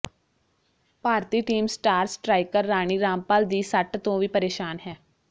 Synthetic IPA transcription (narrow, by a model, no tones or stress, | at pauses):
paːɾt̪iːʈiːmsʈaːɾsʈɾaːɪkəɾːaːɽ̃iːɾaːmpaːld̪iːsəʈt̪õːʋiːpəɾeːʃaːnɦɛː